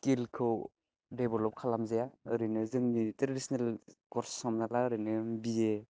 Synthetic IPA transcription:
kilkʰɯw | debɔlɔp̚kʰalamzajaɯɾinɯzɯŋnitɾadisɔnelkɔɾssɔmnalaɾɯnɯbie

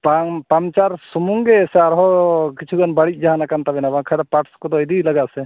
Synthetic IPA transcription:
papamt͡ʃaɾsumuŋɡɛsɛaɾɦɔkit͡ʃʰuɡanbaɽit̪̚ˀd͡ʒaɦanakant̪abɛnabaŋkʰad̪apaʈskɔd̪ɔɛd̪ilaɡaʔsɛ

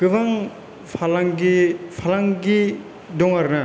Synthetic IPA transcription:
kɯbaŋ | pʰalaŋɡipʰalaŋɡi | dɔŋaɾna

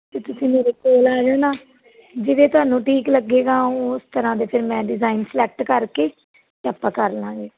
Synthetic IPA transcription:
t̪eːt̪ʊsĩːmeːɾeːkoːlaːd͡ʒoːnaː | d͡ʒɪʋeːt̪ʊɦaːnːũːʈiːkləɡːeːɡãːʊst̪əɾãːd̪eːpʰɪɾmɛ̃ːɖɪzaːinpʰlɛːkʈkəɾkeː | t̪ːaːpːãːkəɾlãːɡeː

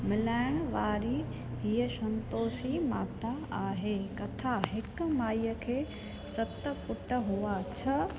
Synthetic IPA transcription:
mɪlaːɪɽ̃ʋaːɾi | ɦiːəsɐ̃nt̪oːʃima̰ːt̪aaːɦekɐt̪ʰaɦɪk̆maːijəkʰeː | sɐt̪ə̆pʊʈə̆ɦuat͡ɕʰɐ

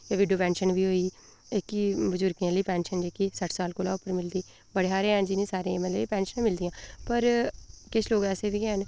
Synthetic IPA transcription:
jaːʋiːɖijoːpɛ̃ːnʃənbiːɦoːiː | ɪkibəzʊɾkãːləiːpɛ̃ːnʃənd͡ʒeːkiːsəʈʰsaːlkoːlaːʊpəɾmɪld̪iː | bəɽeːɦaːɾeːɦɛnd͡ʒɪnĩːsaːɾẽməliːpɛ̃ːnʃənẽːmɪld̪ijãːpəɾkɪt͡ʃʰloːɡɛːseːʋiːkɛːn

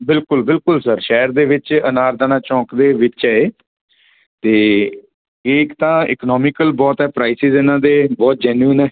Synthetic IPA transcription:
bɪlkʊlbɪlkʊlsəɾʃɛːəɾd̪eːʋɪt͡ʃənaːɾd̪aːnãːt͡ʃɔ̃ːkd̪eːʋɪt͡ʃɛeː | t̪eː | eːkt̪ãːɪ̰knɔːmɪkəlbɔːt̪ɦɛːpɾaːisɪzɪnãːd̪eːbɔːt̪̚d͡ʒɛːnuənɛː

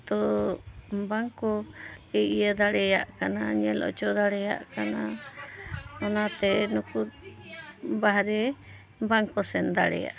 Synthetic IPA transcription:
t̪ɔ | baŋkɔɛʔijad̪aɽɛjaʔkanaɲɛlɔ̰t͡ʃɔd̪aɽɛja̰ʔkana | ɔnat̪ɛnuku | baɦɾɛ | baŋkɔsɛnd̪aɽɛ̰ja̰ʔ

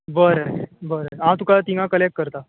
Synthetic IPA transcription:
bəɾəbəɾəɦãt̪ukat̪iŋãkəlek̚kəɾt̪a

